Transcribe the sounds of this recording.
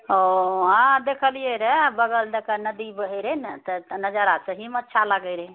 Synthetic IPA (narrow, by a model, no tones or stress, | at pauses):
oɦãd̪ekʰəlijeɾɛbəɡəld̪əkanəd̪ibəɦəɾɛnt̪ənəd͡ʒəɾasəɦimətːʃʰaləɡəɾɛ